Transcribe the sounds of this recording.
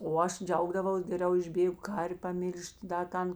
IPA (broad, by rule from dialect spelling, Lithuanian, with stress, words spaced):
oː ˈɐʃ ˈd͡ʒʲɛʊɡdɐʋɐʊs ɡʲɛˈrʲɛʊ ɪʒʲˈbʲeːɡʊ ˈkɐrʲʋʲ pɐˈmʲɪlʲʃʲtʲ dɐ ˈtɐn